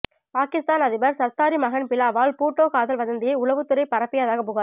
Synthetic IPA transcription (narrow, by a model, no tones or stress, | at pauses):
paːkɪst̪aːnɐðɪbɐɾsɐɾt̪ːaːɾimɐɣɐnpɪlaːʋaːlpuːʈːoːkaːðɐlʋɐðɐnd̪ɪjɐɪʊlɐʋɯt̪ːʊɾɐɪpɐɾɐpːɪjaːðaːɣɐpːʊːɣaː